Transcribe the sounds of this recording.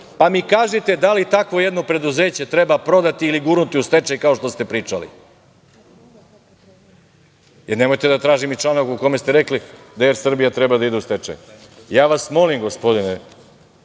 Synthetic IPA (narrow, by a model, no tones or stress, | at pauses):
pamikaːʒit̪e̞d̪alit̪akʋo̞jed̪no̞pɾe̞d̪uze̞ːt͡ɕe̞t̪ɾe̞bapɾo̞d̪at̪iːliɡuːɾnut̪iust̪e̞t͡ʃajkao̞ʂt̪o̞st̪epɾiːt͡ʃalḭ | jeɾne̞mo̞jt̪ed̪at̪ɾaːʒimit͡ʃlˠanokuko̞mest̪eɾekli | d̪ajeɾsr̩bijat̪ɾebad̪aid̪eust̪e̞t͡ʃa̰j | jaːʋasmo̞limɡospo̞d̪ine